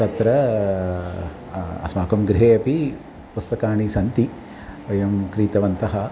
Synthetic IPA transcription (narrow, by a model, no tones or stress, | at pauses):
ɐt̪ɾɐ | ɐ̰smaːkɐmɡɾiɦeːɐpi | pust̪ɐkaːɳisɐnt̪i | ʋɐjɐmkɾiːt̪ɐʋɐnt̪ɐɦɐ